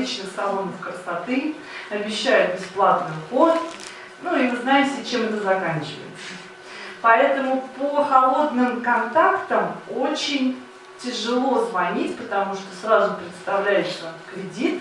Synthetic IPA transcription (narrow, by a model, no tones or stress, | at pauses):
it͡ɕnɨxsɐlˠo̞nəfkəst̪ɐt̪ɨ | ɐbʲɪɕːæjʊt̪̚bʲɪsplˠat̪nɨʊxo̞t̪t̪ | nuivɨznajɪmtʲɪt͡ɕemɛt̪əzɐkanʲt͡ɕɪvə̰jɪ̰t̪sə | pɐɛt̪əmʊpəxɐlˠo̞d̪nɨmkɐnt̪akt̪əmo̞t͡ɕɪnʲ | tʲɪʐɨlˠo̞zvɐnʲitʲpət̪ɐmuʂt̪osrazʊpɾʲɪt̪st̪ɐvlʲæjɪʂsəkɾʲɪdʲit̪